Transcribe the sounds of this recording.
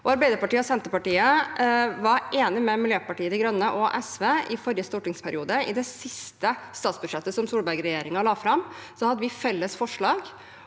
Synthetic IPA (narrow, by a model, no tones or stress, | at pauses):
ʔɔɑɾbæɪd̪əɾpɑʈiːəɔsɛnt̪əpɑʈiːə | ʋɑɾʔeːnɪmɛmɪljøːpɑʈiːəd̪ɪɡɾœnːəʔɔʔɛsʋeːɪfɔɾjəst̪ɔʈɪŋspʰæɾɪuːd̪əɪ̰d̪ɛsɪst̪əst̪ɑːt̪sbʉd̪ʂɛt̪ːəsɔmsuːlbæɾɡɾɛjeːɾɪŋɑlɑːfɾɑmsɔhɑd̪ːəʋɪfɛlːəsfɔʂɭɑːɡ